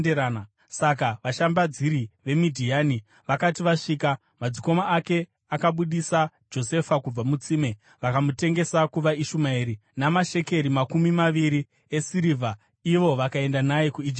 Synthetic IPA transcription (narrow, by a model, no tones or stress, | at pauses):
eɾaːna | sakaʋaʃambad͡ziɾiʋe̞midʱiaːni | ʋakatiʋaʂiːka | mad͡ziko̞maːke̞ | akaɓuɗisa | d͡ʒo̞se̞fakub͡vamut͡siːme̞ | ʋakamute̞ŋɡe̞sakuʋaiʃumaiɾinamaʃe̞ke̞ɾimakumimaʋiɾi | e̞siɾiva | iʋo̞ʋakae̞ndanajekuid͡ʒi